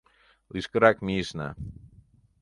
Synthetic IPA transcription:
liskɾakmisna̰

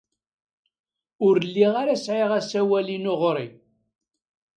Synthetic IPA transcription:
ʊɾlːiʁaɾæsʕɪʁæsæwælinʊʁɾˤi

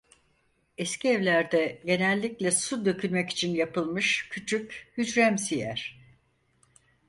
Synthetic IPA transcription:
ɛscʰiɛvlʲæɾd̪ɛɟe̞nɛlʲːiclʲɛsud̪ø̞cʰylʲmɛci̥t͡ʃʰinjapɯlˠmɯʃcʰyt͡ʃʰychyd͡ʒɾæmsijæɾ̥

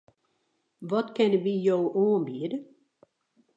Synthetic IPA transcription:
ʋɔtkɛnəʋijowoːmbiədə

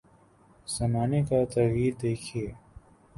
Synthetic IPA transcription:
sɐmaːnekat̪ɐiːɾd̪eːkʰieː

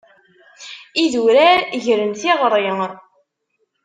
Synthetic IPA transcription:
iðuɾæɾʝɾənθiʁɾˤi

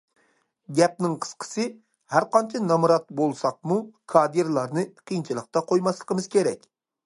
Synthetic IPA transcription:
ɡʲɛp̚nɪŋqʰə̥sqʰə̥sɨ | hæɾqɑnt͡ʃʰɛnɑmɾɑt̪̚bolˠsɑq̚mukʰɑːd̪iɾlˠɑɾnɨqʰijnt͡ʃʰilˠəq̚t̪ɑqʰojmɑslˠəqəmɨz̥kʲʰeɾɛkʲ

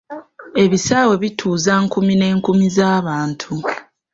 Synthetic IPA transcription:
e̞βisaːwe̞βitʰuːzaːŋkumine̞ːŋkumizaːβaːntʰu

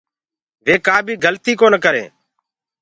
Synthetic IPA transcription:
ʋeːkaːbʱiːɡəlt̪iːkoːnkəɾḛː

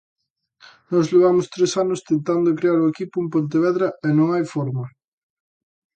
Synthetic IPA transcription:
nɔzleβ̞amʊst̪ɾesanʊst̪ent̪and̪okɾeaɾoekipʊumpont̪̬eβ̞ɛðɾɐɛnõŋajfɔɾmɐ

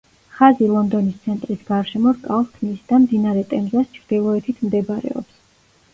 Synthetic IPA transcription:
χazilˠɔnd̪ɔnist̪sʰɛnt̪ʼɾisɡaɾʃɛmɔɾkʼalˠt̪ʰmisd̪amd̪inaɾɛt̪ʼɛmzast͡ʃʰɾd̪̥ilˠɔɛt̪ʰit̪ʰmd̪ɛbaɾɛ̰ɔ̰ps

